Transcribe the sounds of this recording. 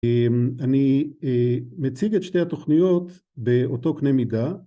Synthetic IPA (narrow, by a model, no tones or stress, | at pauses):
maniemet͡siɡetʃtehat̪o̞χnijo̞t̪ | beot̪o̞knemida